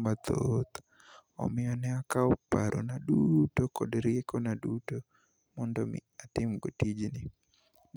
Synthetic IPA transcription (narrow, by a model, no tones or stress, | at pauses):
mat̪ʰot̪ | ɔ̰mɪɔnɛakaɔpaɾʔɔ̰nadutokɔdɾɪjekonaduto | mɔndɔmɪ̰atɪmɡotid͡ʒnɪ